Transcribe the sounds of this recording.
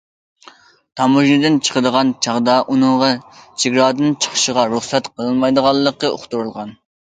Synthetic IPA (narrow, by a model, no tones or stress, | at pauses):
t̪ʰɑmuʒnɨd̪ɨnt͡ʃʰə̥qəd̪əʁɑnt͡ʃʰɑʁd̪ɑʔunɨŋʁɑt͡ʃʰiɡʲɾɑːd̪ɨnt͡ʃʰə̥χʰʃəʁɑɾuχsɛt̪qʰəlˠɨnmɑjd̪əʁɑlˠːəqːəo̰χt̪uɾulˠʁɑn